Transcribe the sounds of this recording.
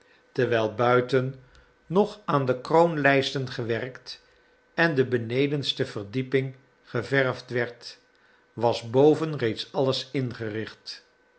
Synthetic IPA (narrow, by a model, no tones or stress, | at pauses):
təɹʋɛjlˠbœɥtənː | ɔχaːndəkrownlɛjstənχəʋɛrkt | ɛndəbənejdənstəv̥ərdipɪŋ | χəvɛɹvtʋɛɹt | ʋɑzbowvənrejtsɑləsɪnχərɪχt